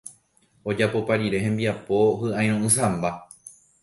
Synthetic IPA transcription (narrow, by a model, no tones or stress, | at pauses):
o̞d͡ʒapo̞paɾiɾe̞ɦẽmbiapo̞hɨʔaj̃ɾ̃õʔɨ̃sãmba